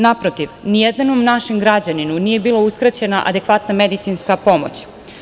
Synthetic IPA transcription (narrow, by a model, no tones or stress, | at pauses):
napɾot̪iʋnijed̪nanomnaʃemɡɾad͡ʑaninuniːje̞biːlˠauskɾat͡ɕe̞naʔa̰d̪e̞kʋat̪name̞d̪it̪sinskapo̞mo̰t͡ɕ